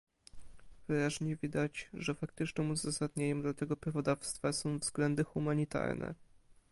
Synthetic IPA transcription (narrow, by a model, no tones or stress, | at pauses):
v̥ɘɾaʑɲɛvʲid̪at͡ɕʐɛfak̚t̪ɘt͡ʂnɘmuzasad̪ɲaɲɛmd̪lat̪ɛɡɔpɾavɔd̪afst̪fasɔ̃w̃vzɡlɛnd̪ɘxumaɲit̪a̰ɾnʔɛ̰